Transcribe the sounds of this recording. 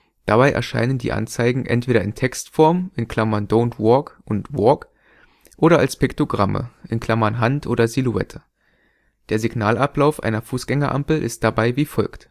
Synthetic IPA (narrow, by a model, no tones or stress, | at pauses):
d̥abaɪʔɛ̰ɐʃa̰ɪnəndḭːʔa̰nt͡saɪɡŋ̩ʔɛ̰ntv̥eːɾɐɪntʰɛkstfɔɐmɪnkʰl̥amɐndoʊntvɔkʔʊntvɔk | ʔoːɾɐʔalspɪktoɡʁamə̰ʔɪnkʰl̥amɐnɦantʔoːɾɐziluɛ̰tʰə | d̥eːɐziɡnaːlʔaplaʊfʔa̰ɪnɐfuːsɡ̥ɛŋɐʔa̰mpl̩ʔɪ̰st̚d̥abaɪviːfɔlkt